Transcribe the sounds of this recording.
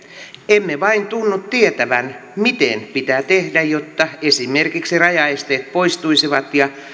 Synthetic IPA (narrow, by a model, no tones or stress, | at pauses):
emːeʋɑint̪unːut̪t̪iet̪æʋæn | mit̪enpit̪æt̪ehdæjot̪ːɑesimerkiksirɑjɑest̪eːt̪̚poist̪uisiʋɑt̪jɑ